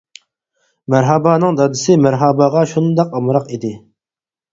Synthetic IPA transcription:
mæɾɦɑbɑːnɨŋd̪ɑd̪ɪsɪmæɾɦɑbɑʁɑʃund̪ɑqɑmɾɑqid̪ɪ

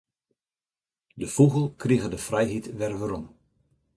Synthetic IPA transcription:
dəfuɣəlˠkriɣədəfrɛjɦitʋɛrʋəɾɔm

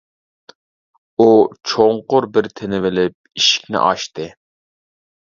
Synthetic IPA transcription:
ut͡ʃʰoŋqʊɾbɪɾt̪ʰenɪvɪlɪp̚iʃi̥kʲnɪ̰ʔɑ̰ʃt̪ɨ

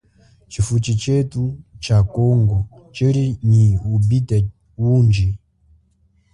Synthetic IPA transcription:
t͡ʃifut͡ʃit͡ʃɛtut͡ʃakɔŋɡɔ | t͡ʃɛɾiniubitɛ | wund͡ʒi

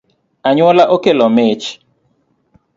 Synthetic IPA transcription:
aɲwɔlaʔokelɔmet͡ʃ

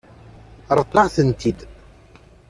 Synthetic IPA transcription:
ɾˤət̪ˤːɑʕθənt̪id̪

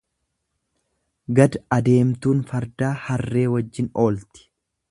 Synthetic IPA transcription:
ɡɐd̪ɐd̪e̞ːmt̪uːnfɐɾd̪aːhɐrːe̞ːwɐd͡ʒːɪno̞ːlt̪ɪ̥

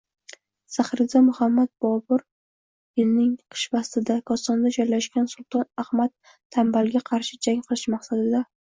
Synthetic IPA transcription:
saχɾɪzamʊhamːat̪̚bɒbʊɾ | jɪlnɪŋqʰɨ̥ʃvast̪ɪd̪akʰɒsɒnd̪ad͡ʒɒjlaʃkʲansʊlˠt̪ʰɒnahmat̪ʰː | ambalɡʲaqʰɑɾʃɪd͡ʒaŋqʰɨlˠɪʃmaχsad̪ɪd̪a

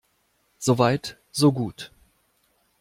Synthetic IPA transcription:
z̥oːvaɪt | z̥oːɡuːt

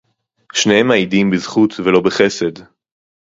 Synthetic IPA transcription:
ʃnehemaidimbizχut̪velo̞beχese̞d

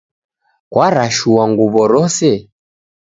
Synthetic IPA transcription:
kwaɾaʃuwaŋɡuβɔɾɔsɛ

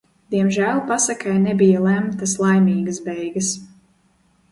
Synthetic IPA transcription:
d̪̥iɛmʒæːlˠpasakajnɛbijalˠæmt̪aslˠajmiːɡasbɛjɡɐs

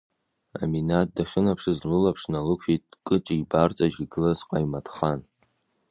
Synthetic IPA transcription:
a̰minat̚daχʲɪnapʰʂɨzlɨlapʰʂnalɨkʷʰitʼkʼɨt͡ʃʼiːbart͡sʼaʒiɡɨlazqʼajmadχan

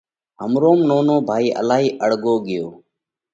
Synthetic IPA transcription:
ɦəmɾoːmnoːnoːbʱaːiːʔə̰laːɦiːʔəɽ̤ɠoːɠɪjoː

